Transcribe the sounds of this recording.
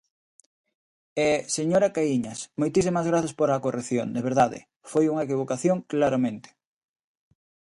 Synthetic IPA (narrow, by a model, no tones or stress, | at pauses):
ɛseɲoɾakaiɲɐsmojt̪isimɐzɣ̞ɾaθaspoɾaːkoreθjo̰ŋd̪eβ̞eɾðaðɪ̰ | fojuŋaekiβ̞okaθjoŋklaɾamẽnt̪ɪ̥